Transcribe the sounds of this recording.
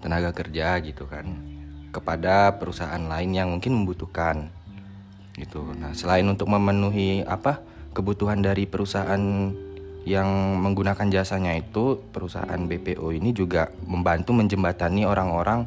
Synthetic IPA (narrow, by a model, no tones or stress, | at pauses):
t̪ənaɡakərd͡ʒaɡit̪uka̰nkəpadapəɾusaaanlaɪnjaŋmuŋkɪnməmbut̪uhkan | ɡit̪unahsəlaɪnunt̪ʊk̚məmənuɦia̰pa | kəbut̪uɦandaɾipəɾusaʔan | jaŋməŋɡunakand͡ʒasaɲait̪upəɾusa̰aa̰nbepeʔoinid͡ʒuɡaməmbant̪uməɲd͡ʒəmbat̪anioɾaŋoɾʔaŋ